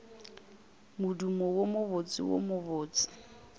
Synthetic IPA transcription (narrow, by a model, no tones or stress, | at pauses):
mʊdumɔwomʊβot͡sʼɪ̰wo̰mʊβoːt͡sʼɪ̥